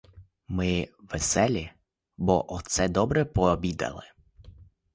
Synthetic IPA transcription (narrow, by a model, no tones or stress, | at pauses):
mɪʋɛsɛlʲi | bɔʔɔt̪sɛd̪ɔbɾɛpɔbʲid̪ɐ̰lˠɪ